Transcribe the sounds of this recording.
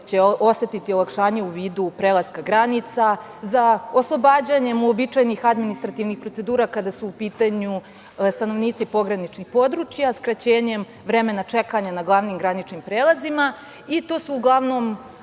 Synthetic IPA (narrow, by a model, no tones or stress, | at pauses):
t͡ɕe̞o̞se̞t̪it̪io̞lˠakʃaːɲe̞uʋiːd̪upɾeːlˠazkaɡɾanit̪sa | zaoslˠobaːd͡ʑaɲe̞mobit͡ʂajnixad̪minist̪ɾat̪iʋnixpɾo̞t̪se̞d̪uːɾakad̪asuːpiːt̪aɲu | st̪ano̞ʋniːt̪sipo̞ɡɾanit͡ʃnixpo̞d̪ɾut͡ʃjaskɾat͡ɕeːɲe̞m | ʋɾe̞me̞nat͡ʂe̞kaɲanaɡlˠaʋniːmɡɾanit͡ʃnimpɾeːlˠazima | it̪o̞ːsuːɡlˠaʋno̞ːm